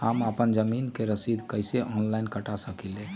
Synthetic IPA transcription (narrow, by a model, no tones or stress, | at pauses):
haməpənd͡ʒəminkeɾəsid̪ʱkəjseʔɔnlaɪnkəʈasəkile